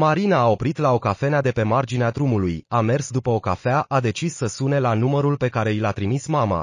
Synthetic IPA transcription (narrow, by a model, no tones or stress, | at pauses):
maɾinaːo̞pɾit̪lao̞kafe̞nead̪e̞pe̞mard͡ʒinead̪ɾumulujame̞rsd̪upəo̞kafeaʔad̪e̞t͡ʃisːəsune̞lanuməɾulpe̞kaɾe̞ilat̪ɾimismama̰